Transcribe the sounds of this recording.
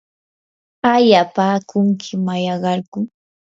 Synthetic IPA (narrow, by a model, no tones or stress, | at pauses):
ajapaːkʰʊŋkʰɪmajɑɢɑɾkʊ